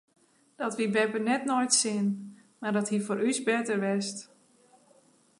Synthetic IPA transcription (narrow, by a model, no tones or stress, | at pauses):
d̥ɔtʋibɛpənɛtnojtsɪn | mardɔthifoːɾysbɛtərʋɛst